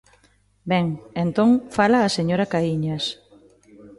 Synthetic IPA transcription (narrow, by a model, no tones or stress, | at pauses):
bɛŋent̪oŋfalaːseɲoɾɐkaiɲɐs